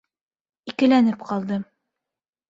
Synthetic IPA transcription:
ikɘ̆lænɘpqɒlˠd̪ɤ

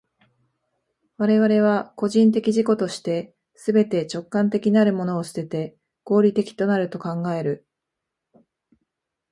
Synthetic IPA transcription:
βaɾe̞βaɾe̞β̞ako̞ʑĩnt̪̬e̞kʲiʑiko̞t̪o̞ɕi̥t̪e̞ | sɨbe̞t̪e̞t͡ɕo̞kːãnt̪̬e̞kʲinaɾɯ̟mo̞no̞ːɕɨ̥t̪e̞t̪e̞ | ɡ̥o̞ːɾʲit̪e̞kʲi̥t̪o̞naɾɯ̟t̪o̞kãŋɡae̞ɾɯ̟

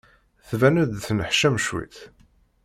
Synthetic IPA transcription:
θvænud̪θnəħʃæmʃwḭθ

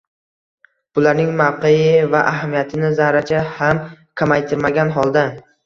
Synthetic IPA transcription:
b̥ʊlaɾnɪŋmawqʰejɪvaʔaɦamijat̪ʰɪnɪzahɾat͡ʃʰaham | kʰamajt̪ʰɪɾmaɡʲanɦɒlˠd̪a

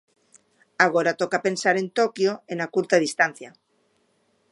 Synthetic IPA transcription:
aɣ̞oɾat̪okape̞nsaɾe̞nt̪okjoenakuɾt̪aðist̪anθja

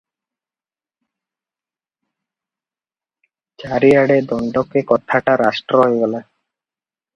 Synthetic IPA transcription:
t͡ɕaɾiaɽed̪ɔɳɖɔkekɔt̪ʰːaʈaɾasʈɾoɦojɡɔla

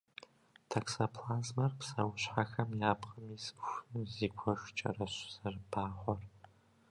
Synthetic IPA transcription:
tʰɐksapʰlaːzmɐrpsɐwɕʷħaxɐmjaːpʰqʼɐmisʃʷɨziːkʷʰɔʃʷt͡ʃʼɐ̰rɐɕʷz̥ɐrbaːχʷɔr

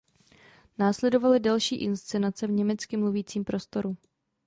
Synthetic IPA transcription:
naːslɛdo̞valɪdalʃiːʔɪnst͡sɛnat͡sɛvɲɛmɛt͡skɪmluviːt͡siːmpɾo̞st̪o̞ɾu

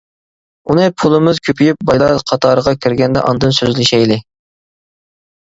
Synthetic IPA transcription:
unɨpʰulˠɨmɨzkʲʰøpʰyjyp̚bɑjlˠɑɾqʰɑt̪ʰɑːɾəʁɑkʲʰiɾɡʲɛnd̪ɛ̰ʔɑ̰nd̪ɨnsøzlɪʃɛjlɪ

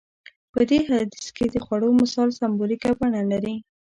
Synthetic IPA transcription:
pəd̪eɦad̪isked̪əxwaɽomɪsɑlsambolikabaɳalaɾi

